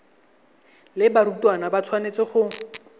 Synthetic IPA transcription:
lɪbaɾutwanabat͡sʰwanet͡sɪχʊ

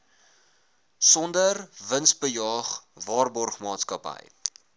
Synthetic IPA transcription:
sɔndərvənsbəjɑːχvɑːrbɔrχmɑːtskɐpə̰j

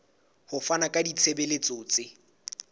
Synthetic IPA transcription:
hʊfanakʼadit͡sʰebelet͡sʼot͡sʼe

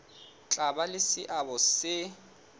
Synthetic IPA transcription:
t͡ɬʼabalɪsɪʔabɔsɪ

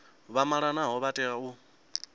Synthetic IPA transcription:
βamaɺanaɦɔβatʼɛau

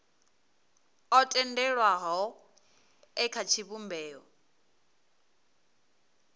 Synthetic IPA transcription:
ɔtʼɛndɛɺwaɦɔ | ɛkʰat͡ʃʰiβumbɛːɔ

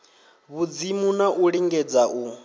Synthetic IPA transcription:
βud͡zimunaʔuɺiŋɡɛd͡zaʔu

